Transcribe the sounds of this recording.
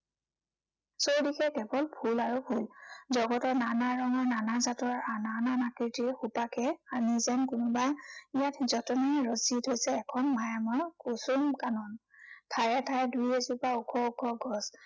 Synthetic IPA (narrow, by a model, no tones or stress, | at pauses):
sowdikʰɛkɛbɔlbʰʱulaɹubʰʱulzɔɡɔtɔɹnanaɹɔŋananazatɔɹanananakitiɹxupakʰɛanizɛnkʊnɔbajijatzɔtɔnɔjɹɔzitʰhojsɛːkʰɔnmajamɔɹkusumkanɔntʰaɹɛtʰajdujezupaukʰɔukʰɔɡʱɔs